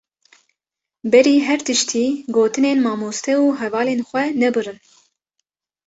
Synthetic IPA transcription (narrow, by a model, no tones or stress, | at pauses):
bɛɾiːɦɛɾt̪ɨʃt̪ʰiːɡoːt̪ɨneːnmɑːmoːst̪ʰɛuːɦɛvɑːleːnxʷɛnɛbɨrɨn